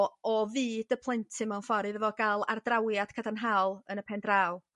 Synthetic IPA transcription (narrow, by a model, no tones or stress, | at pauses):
ɔviːdəpʰlˠɪntʰɪmawnfɔɾɨðəvɔɡalˠa̰rd̥rawjad̥kʰadanɦaːlˠənəpʰɛndraːw